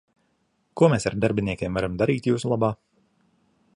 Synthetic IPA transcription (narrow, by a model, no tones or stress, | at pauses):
kuɔmʲɛːsaɾd̪aɾbʲinʲiɛkʲeɛmvaɾamd̪aɾiːt̪juːsulˠabaː